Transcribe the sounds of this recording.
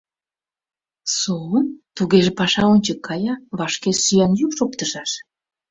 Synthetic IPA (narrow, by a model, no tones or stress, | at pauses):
soənt̪uɣeʒepɑʃɑonʲt͡ɕəkʰːɑjɑβɑʃkesyjɑnjukʃop̚t̪əʒɑʃ